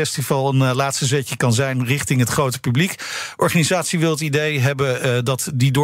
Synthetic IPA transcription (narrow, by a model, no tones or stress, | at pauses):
ɛstivɑlˠənlaːtstəzɛcəkɑnzɛjnrɪχtɪŋɦətχrowtə̥pyblik | ʔɔɹχaːnizaːtsiʋɪlˠətidejɦɛbədɑtdidʊ